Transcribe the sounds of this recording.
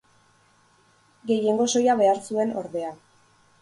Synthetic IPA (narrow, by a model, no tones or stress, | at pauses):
ɡe̞je̞ŋɡo̞so̞jaβe̞aɾsue̞no̞ɾðe̞a